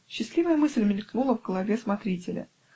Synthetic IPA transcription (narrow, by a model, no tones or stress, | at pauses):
ɕːɪslʲivəjəmɨsʲlʲmʲɪlʲknulˠəvɡəlˠɐvʲesmɐt̪ɾʲitʲɪlʲə̰